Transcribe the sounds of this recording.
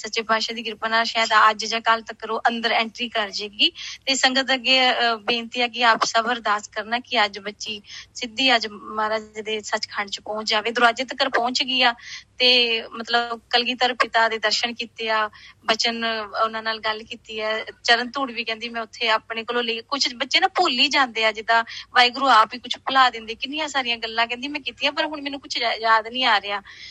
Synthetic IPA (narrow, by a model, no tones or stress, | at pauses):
sətːt͡ʃeːbʱaːʃãːd̪iːɡɪɾpənaːʃaːd̪aəd͡ʒd͡ʒãːkalt̪əkːəɾoːʔənd̪əɾɛ̃ːɳʈɾiːkəɾd͡ʒeːɡiːt̪eːsəŋɡət̪əɡeːbẽːnt̪iːaːk̬ɪaːpsəbəɾd̪aːskəɾnaːkɪəd͡ʒbətːʃiːsɪd̪iːəd͡ʒmaːɾaːd͡ʒeːd̪eːsət͡ʃkʰaɳt͡ʃpɔ̃ːt͡ʃd͡ʒaːʋeːd̪ʊɾaːd͡ʒet̪əkəɾpɔ̃ːt͡ʃɡiːaːt̪eːmət̪ləbkəlɡiːt̪əɾpɪt̪aːd̪eːd̪əɾʃənkiːt̪eːaːbət͡ʃənʊnãːnaːlɡəlkiːt̪iːɛːt͡ʃəɾənt̪uːɽʋiːkɛ̃ːnd̪iːmɛ̃ːʊt̪ʰːeːaːpɳeːkəloːləiːkʊt͡ʃʰbətːʃeːnaːpoːliːd͡ʒãːnd̪eːaːd͡ʒɪd̪ãːbaːiːɡʊɾuːaːpiːkʊt͡ʃʰpəlaːd̪ɪ̃nd̪eːkɪnɪjãːsaːɾɪjãːɡəlːãːkɛ̃nd̪iːmɛ̃ːkiːt̪iːaːp̬əɾɦʊɳmɛːnũːkʊt͡ʃʰːjaːd̪nĩːaːɾeaː